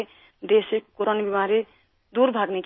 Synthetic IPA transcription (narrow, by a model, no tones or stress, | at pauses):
d̪esekoɾonbimaɾi | d̪uɾbʱaɡnet͡ʃ